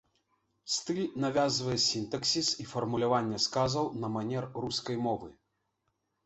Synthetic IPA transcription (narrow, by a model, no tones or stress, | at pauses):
st̪ɨlʲnavʲazvɐjɛsʲint̪ɐksʲisifɐrmulʲavanʲːɛskazɐwnɐmanʲɛrruskɐjmɔvɨ̰